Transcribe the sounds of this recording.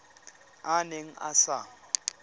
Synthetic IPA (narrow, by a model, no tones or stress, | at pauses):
aneŋ̩ʔa̰saː